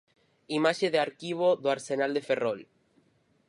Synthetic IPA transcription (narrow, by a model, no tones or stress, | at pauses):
imaʃeðeaɾkiβ̞oðoaɾsenald̪eferol